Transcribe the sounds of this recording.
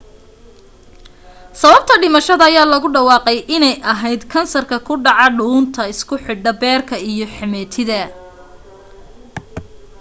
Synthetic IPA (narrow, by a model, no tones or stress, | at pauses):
sɐβɐb̚t̪ʰɐɖɪmɐʃɐðɐːjaːlɐɣʊɖɑwɑːqɛjʔɪnɛjʔɐɦɛjd̪kʰɐnsɐrkʰɐkʰʊɖɑʕɑɖuːnt̪ʰɐɪskʰʊħɪɖɐbɛːrkʰɐijɞħɪmɛːt̪ʰɪðɐ